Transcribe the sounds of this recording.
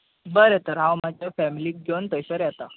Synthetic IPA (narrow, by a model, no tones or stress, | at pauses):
bəɾet̪əɾɦãwmad͡ʑʱjafɛmiliːk̚ɡont̪əsəɾjɛt̪a